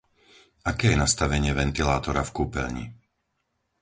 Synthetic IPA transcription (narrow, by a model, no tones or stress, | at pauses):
akɛːjɛnast̪aʋɛɲɪɛʋɛnt̪ilaːt̪ɔɾafkuːpɛ̰lɲḭ